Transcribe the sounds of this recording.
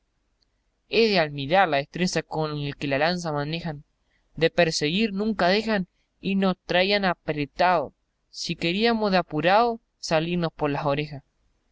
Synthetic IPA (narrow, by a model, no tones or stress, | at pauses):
e̞ðealmiɾaɾlaest̪ɾesakonelkelalans̬amane̞xan | d̪e̞peɾseɣiɾnũŋkað̞e̞xan | inost̪ɾajanapɾet̪aðo̰ | sike̞ɾiamozðeapuɾaðo | saliɾno̞spo̞ɾlao̞ɾe̞xas